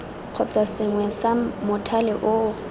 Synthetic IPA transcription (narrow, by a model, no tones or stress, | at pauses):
q͡χʰɔt͡sʼasɪŋwɛsamʊtʰalɪʔʊ